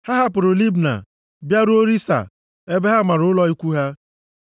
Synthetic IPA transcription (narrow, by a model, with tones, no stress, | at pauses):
ha˦ɦa˦pʊ˨ɾʊ˨li˦bna̰˨ | bja˦ɾu˦o˦ɾi˦sa̰˨ | e˦be˦ɦa˦˨ma˨ɾʊ˨˦lɔ˦i˦kʷu˦ɦa˦